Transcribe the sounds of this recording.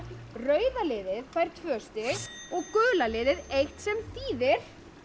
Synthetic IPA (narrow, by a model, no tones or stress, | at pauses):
rœːɥðalɪːðɪðfaːjɾ̥t̪ʰvœːst̪ɪɔɣkœːlalɪːðɪðejht̪sɛmθiːðɪɾ̥